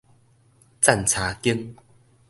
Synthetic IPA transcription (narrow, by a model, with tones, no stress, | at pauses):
t͡sa˥˨nt͡sʰa˨˦ki˦ŋ